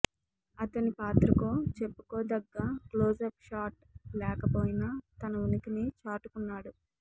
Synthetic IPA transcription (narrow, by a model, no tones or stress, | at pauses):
ɐt̪ɐnipaːt̪ɾɐkoːt͡ʃe̞pːu̥koːd̪ɐɡːaːkloːsɐːpʂaːʈ̚ | lɛːkɐpoːjinaːt̪ɐnɐunɐkinit͡ʃaːʈukunːaːɽu